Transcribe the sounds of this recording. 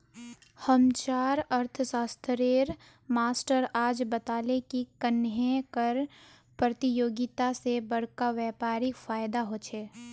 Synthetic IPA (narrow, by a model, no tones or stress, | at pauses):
həmt͡ʃaːɾɐɾt̪ʰəsaːst̪ʰɾeːɾ | maːsʈəɾaːd͡ʒbɐt̪aːlekikənɦẽkəɾ | pɾɐt̪ijoːɡɪt̪asebɐɽ̤kaʋɛːpaːɾɪkfaːjd̪aɦoːt͡ʃʰeː